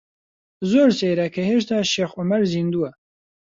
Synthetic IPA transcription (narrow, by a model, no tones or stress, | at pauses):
zoːɾseːɾɐkʰɐheʃ̬t̪ʰaːʃeːxʔʊmɐɾziːnd̪uwɛ